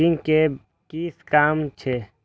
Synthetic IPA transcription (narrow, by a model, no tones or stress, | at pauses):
iŋke | kiːskaːmt͡ʃʰe